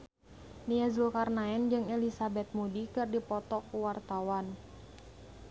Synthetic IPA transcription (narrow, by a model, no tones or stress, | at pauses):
niazulkarnaɛnd͡ʒɨŋɛlisabɛt̪̚mudikɨrdipɔt̪ɔkuwart̪awan